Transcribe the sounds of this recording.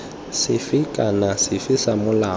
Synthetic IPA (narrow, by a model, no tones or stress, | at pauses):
sɪfikʼanasɪfisamʊlaː